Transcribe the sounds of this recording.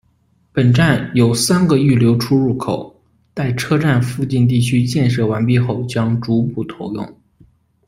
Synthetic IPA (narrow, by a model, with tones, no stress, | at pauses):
pə˨˩nʈ͡ʂa˥˩njo˨˩ʊsa˥nɡə˨y˥˩ljo˧˥ʊʈ͡ʂʰu˥ɻu˥˩kʰo˨˩ʊ | t̪a˥˩ɪʈ͡ʂʰɤ˥ʈ͡ʂa˥˩˧nfu˥˧t͡ɕi˥˧nt̪̬i˥˩t͡ɕʰy˥t͡ɕjɛ˥˧nʂɤ˥˩wa˧˥npi˥˧xo˥˩ʊt͡ɕjɑ˥ŋʈ͡ʂu˧˥pu˥˩t̪ʰo˧˥ʊjʊ̰˥˩ŋ